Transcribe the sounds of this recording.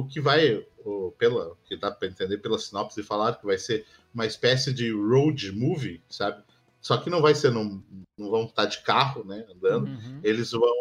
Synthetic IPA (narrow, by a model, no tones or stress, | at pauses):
ʊkɪvajʊpelɐʊkɪd̪apɾɐẽnt̪ẽnd̪eɾpelɐsinɔpsɪfalaɾkɪvajseɾ | ũmɐispɛsɪd͡ʒɪɾowd͡ʒɪmuvɪsabɪ | sɔkɪnɐ̃w̃vajseɾnɐ̃w̃nɐ̃w̃vɐ̃w̃ot̪aɾd͡ʒɪkaɦʊnɛɐ̃nd̪ɐ̃nd̪ʊelɪzvɐ̃w̃